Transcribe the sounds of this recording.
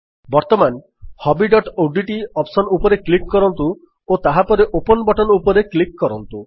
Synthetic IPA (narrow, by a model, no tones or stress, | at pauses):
bɔɾt̪ɔman | hɔbiɖɔʈoɖiʈiɔpsɔnupɔɾeklikkɔɾɔnt̪u | ot̪aɦapɔɾeʔopɔnɔbɔʈɔnupɔɾeklikkɔɾɔnt̪u